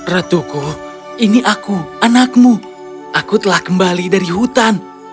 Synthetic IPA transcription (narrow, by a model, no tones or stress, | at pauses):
rat̪uku | iniʔakuanak̚mu | ʔakut̪əlahkəmbalidaɾiɦut̪an